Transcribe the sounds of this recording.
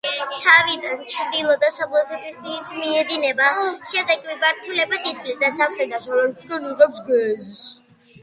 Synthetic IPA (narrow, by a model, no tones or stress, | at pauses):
t̪ʰavid̪ant͡ʃʰd̪ilˠɔd̪asablˠat̪ʰɛbiit̪sʰmiɛd̪inɛbaʃɛmd̪ɛkmibaɾt̪ʰulɛbasit̪ʼlisd̪asamχɾɛd̪asɔmɛlit̪sɡanuʁɛpsɡwɛzs